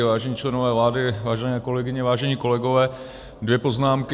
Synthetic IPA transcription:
ɪvaːʒɛɲiːt͡ʃlɛnovɛːvlaːdɪvaːʒɛnɛːko̞lɛɡɪɲɛvaːʒɛɲiːko̞lɛɡo̞vɛː | dvjɛpoznaːmk

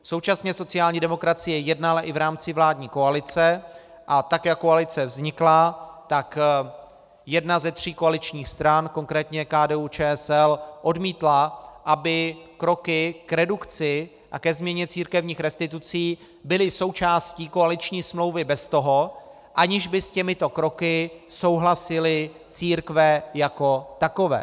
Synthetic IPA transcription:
so̞wt͡ʃasɲɛso̞t͡sɪaːlɲiːdɛmo̞kɾat͡sɪjɛjɛdnalaʔɪvɾaːmt͡sɪvlaːdɲiːko̞alɪt͡sɛ | ʔat̪akjakːo̞alɪt͡sɛvzɲɪklat̪ak | jɛdnazɛt̪r̝̥iːko̞alɪt͡ʃɲiːxst̪ɾanko̞ŋkɾɛːt̪ɲɛkaːdɛːut͡ʃɛːɛsɛlʔo̞dmiːt̪laʔabɪkɾo̞kɪkɾɛdukt͡sɪ | ʔakɛzmɲɛɲɛt͡siːɾkɛvɲiːxɾɛst̪ɪt̪ut͡siː | bɪlɪso̞wt͡ʃaːsciːko̞alɪt͡ʃɲiːsmlo̞wvɪbɛst̪o̞ɦo̞ | ʔaɲɪʒbɪscɛmɪt̪o̞kɾo̞kɪso̞wɦlasɪlɪ | t͡siːɾkvɛjako̞t̪ako̞vɛ̰ː

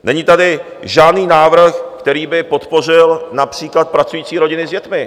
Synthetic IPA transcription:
nɛɲiːt̪adɪ | ʒaːdniːnaːvr̩xkt̪ɛɾiːbɪpo̞t̪po̞rɪlnapr̝̥iːklat̪̚pɾat͡sujiːt͡siːɾo̞ɟɪnɪzɟɛt̪mɪ

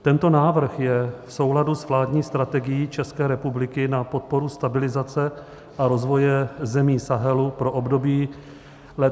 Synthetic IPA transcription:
t̪ɛnt̪o̞naːvr̩xjɛfso̞wladusvlaːdɲiːst̪ɾat̪ɛɡɪjiːt͡ʃɛskɛːɾɛpublɪkɪnapo̞t̪̚po̞ɾust̪abɪlɪzat͡sɛ | ʔaɾo̞zvo̞jɛzɛmiːsaɦɛlupɾoʔobdo̞biː | lɛ

